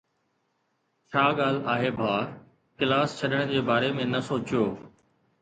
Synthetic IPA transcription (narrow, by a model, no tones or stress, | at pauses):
t͡ɕʰaːɠaːl̤aːɦebʱaː | kɪlaːst͡ɕʰɐɗəɽ̃d͡ʑeːbaːɾemẽnɐsoːt͡ɕɪjoː